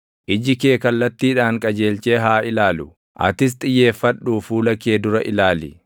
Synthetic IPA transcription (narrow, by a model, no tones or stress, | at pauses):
ʔɪd͡ʒɪkeːkɐlːɐt̪ːiːᶑaːŋkʼɐd͡ʒe̞ːlt͡ʃe̞ːɦaːʔɪlaːlʊ | ʔɐ̰t̪ɪs̬t̪ʼɪjːe̞ːfːɐᶑːuːfuːlɐkeːd̪ʊɾɐʔɪlaːlɪ